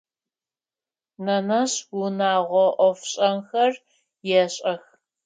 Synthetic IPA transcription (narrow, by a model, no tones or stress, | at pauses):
nɐnɐɕwʊnaːʁʷɔʔʷɔfɕʼɐmxɐr | jɛɕʼɐx